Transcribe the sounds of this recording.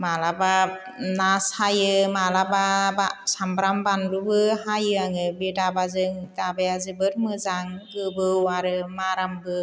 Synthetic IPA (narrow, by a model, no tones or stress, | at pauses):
malaba | nashajɯmalababasambɾambanlubɯɦajɯaŋɯbedabazɯŋdabajazɯbɯɾmɯzaŋɡɯbɯwaɾɯmaɾambɯ